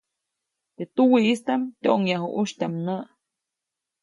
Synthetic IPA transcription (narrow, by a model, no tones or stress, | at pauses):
t̪eʔt̪uwiist̪amt̪ʲoŋjaɦuʔuʃt̪ʲamnəʔ